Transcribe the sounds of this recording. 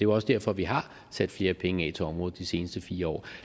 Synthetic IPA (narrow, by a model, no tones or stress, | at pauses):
d̥e̝ɒ̽səd̥æɐfɒ̽ʋiɦɑ̈ | sæd̥fle̝ːɐpʰeŋəɛ̰t͡sʰeɒ̽mʁɔ̽ːð̩ˠd̥ise̝ːnəsd̥əfiːɐɒ̰ː